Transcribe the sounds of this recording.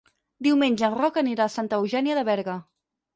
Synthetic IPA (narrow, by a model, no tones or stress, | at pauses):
d̪iwmenʲʒəːnrɔkəniɾaːsant̪əːwʒɛniəðəβɛɾɣə